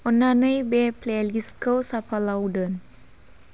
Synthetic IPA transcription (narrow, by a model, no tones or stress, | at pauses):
ɔnanəjbepleliskəwsapalawdən